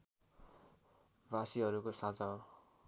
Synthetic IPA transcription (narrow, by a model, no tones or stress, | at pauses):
basiɦʌɾukosad͡zã